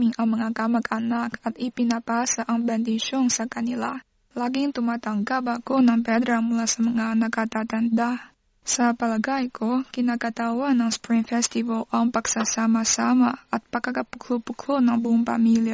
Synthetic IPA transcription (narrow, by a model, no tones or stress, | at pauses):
mɪŋɐŋmɐŋakamɐɡɐnakɐt̪ɪpɪnɐpasaʔɐŋbɛnd̪ɪʃonsɐkɐnɪla | laːɡɪŋt̪ʊmat̪ɐŋɡapakonɐŋpɛd̪ɾamʊlasɐmɐŋanɐkat̪at̪ɐnd̪a | sɐpɐlɐɡajkʰokɪnakɐt̪awanːɐŋspɹiŋfɛst̪ɪvalʔaŋpɐɡ̥sasaːmasamaɐt̪̚pɐkɐkɐpʊklʊpʊklonɐŋbuʔʊŋpɐ̰milja